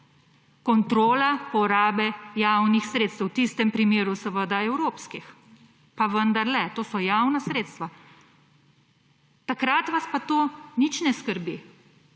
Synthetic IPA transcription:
kɔnt̪ɾoːlapɔɾaːbɛjawnixsɾeːt̪st̪wt̪iːst̪ɛmpɾimeːɾusəʋəd̪aɛwɾoːpskix | paʋənd̪aɾlɛt̪oːsɔjawnasɾeːt̪st̪ʋa | t̪akɾat̪ʋaspat̪oːnit͡ʃnɛskəɾbi

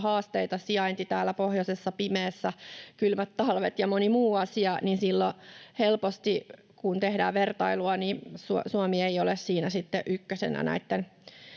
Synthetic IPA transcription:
hɑːst̪eit̪ɑsiɑint̪it̪æːlːæpohjosesːɑpimeːsːækylmæt̪tːɑlʋet̪jɑmonimuːɑsiɑninsilːohelpost̪i | kunt̪ehdæ̰ːʋʋert̪ɑiluɑnisṵsuomieiolessiːnæsit̪ːeʔykːøsḛnæ̰næ̰it̪ːen

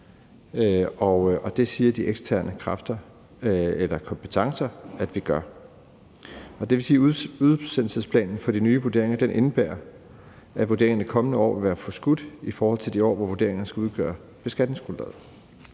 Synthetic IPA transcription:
ɒɒ̽d̥e̝siːɐd̥iʔeɡ̥sd̥ʰæɐnəkʰʁɑfd̥ɐ | elɐkʰɒ̽mpʰət͡sʰɑ̈ŋsɐæd̥ʋiɡ̥ɶɐ | ɒ̽d̥e̝ʋe̝siːuðˠsen̰l̩səspʰlɛ̰ːnn̩fɒ̽d̥inyːʋud̥e̝ɐ̰e̝ŋɐd̥enʔe̝nəb̥æːɐ | æʋuɐde̝ɐ̰eŋɐnikʰɒ̽mənəɒ̰ːʋeʋæːɐfɒ̽sɡ̥ud̥ifɒːhɒ̽l̰t͡sʰe̝ld̥iɒ̰ːʋɒʋu̝ɐd̥e̝ɐ̰e̝ŋɐn̩əsɡ̥æuðˠɡ̥œ̰ːɐ | b̥e̝sɡ̥æd̥ne̝ŋsɡ̥ulɛ̰ːð̰ˠ

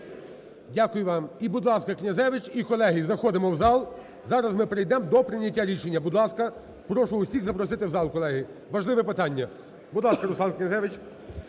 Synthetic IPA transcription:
dʲakʊjʊʋɑmibud̪lˠɑskɐknʲɐzɛʋɪt͡ʃikɔlˠɛɦɪzɐxɔd̪ɪmɔwzɑlˠ | zɑɾɐzmɪpɾɪjd̪ɛmd̪ɔpɾɪnʲɐtʲːaɾʲiʃenʲːɐbud̪lˠɑskɐ | pɾɔʃʊʊsʲiɣzɐpɾɔsɪt̪ɪwzɑlˠkɔlˠɛɦɪ | ʋɐʒlˠɪʋɛpɪt̪ɑnʲːɐ | bud̪lˠɑskɐɾʊslɑnknʲɐzɛʋɪt͡ʃ

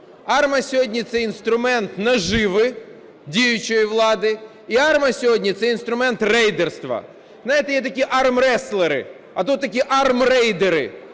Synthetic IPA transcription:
ɑrmɐsʲɔɦɔdʲnʲit̪sɛinst̪ɾʊmɛnt̪nɐʒɪʋɪ | dʲijʊt͡ʃɔjiʋlˠɑd̪ɪ | iɑrmɐsʲɔɦɔdʲnʲit̪sɛinst̪ɾʊmɛnt̪rɛjd̪erst̪ʋɐ̰ | znajɪt̪ɛjɛt̪ɐkʲiʔɑrmrɛslˠeɾɪ̰ | ɐt̪ut̪ːɐkʲiʔɑrmrɛjd̪eɾɪ̰

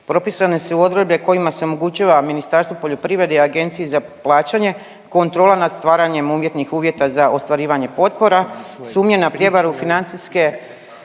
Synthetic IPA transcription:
pɾo̞pisanesuo̞d̪ɾebʎeko̞jimase̞o̞mo̞ɡut͡ɕaːʋaminist̪aɾst̪ʋopo̞ʎo̞pɾiʋɾe̞d̪eaɡe̞nt̪sijizaplˠaːt͡ɕaɲe̞ | ko̞nt̪ɾo̞ːlanad̪st̪ʋaːɾaɲe̞muːʋje̞t̪nixuːʋje̞t̪azaʔo̞st̪ʋaɾiːʋaɲe̞po̞t̪̚po̞ɾasuːmɲe̞napɾje̞ʋaɾufinant̪siske̞

